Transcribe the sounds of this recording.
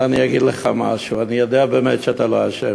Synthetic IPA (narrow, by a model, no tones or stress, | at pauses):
anijaɡid̪leχama̰ʃuanijod̪eabeːmet̪ʃɛat̪aloaʃev